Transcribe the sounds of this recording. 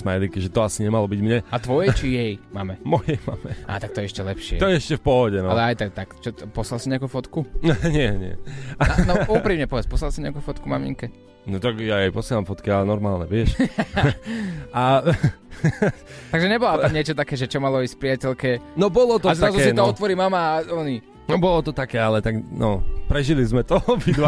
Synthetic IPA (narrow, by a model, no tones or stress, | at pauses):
smajlikiʒɛt̪ɔasiɲɛmalɔbiɟmɲɛat̪ʋɔjɛt͡ʃijɛjmamɛmɔjɛjmaːmɛʔa̰ːt̪ak̚t̪ɔjɛɛʃcɛlɛpʃɪɛ̰ɔjɛɛʃcɛfpɔɦɔɟɛnɔalɛajt̪ak̚t̪akt͡ʃɔt̪pɔslalsiɲɛakufɔt̪kuɲɪɛɲɪɛ̰nɔʔuupɾimɲɛpɔʋɛt͡spɔslalsiɲɛakufɔt̪kumamḭŋkɛ | nɔt̪aɡjajɛjpɔsɪɛlamfɔt̪kialɛnɔɾmaːlɲɛʋɪɛʃ | a | t̪aɡʒɛɲɛbɔlaaɲɪɛt͡ʃɔt̪akɛːʒɛt͡ʃɔmalɔisfpɾɪacɛʎkɛnɔbɔlɔt̪ɔazɾazuɛsinɔɔt̪ʋɔɾimamaːɔni | nɔbɔlɔt̪ɔt̪akɛːalɛt̪aɡnɔpɾɛʒilizmɛt̪ɔɔbid̪ʋa